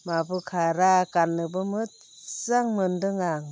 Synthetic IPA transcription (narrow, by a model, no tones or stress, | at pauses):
mabɯkʰaɾakanːɯbɯmɯt̚ | zaŋmɯndɯŋaŋ